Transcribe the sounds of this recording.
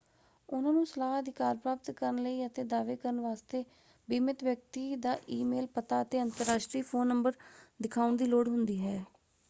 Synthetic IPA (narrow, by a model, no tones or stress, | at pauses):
ʊnãːnũːsəlaːɦəd̪ɪkaːɾpɾaːpət̪kəɾənləiːət̪eːd̪aːʋeːkəɾənʋaːst̪eː | bɪmɪt̪ʋjək̚t̪iːd̪aːʔiːmeːlpət̪aːət̪eːənt̪əɾːaːʃʈɾiːpʰoːnːəmbəɾd̪ɪkʰaːʊnd̪iːloːɽɦʊnd̪iːɦɛː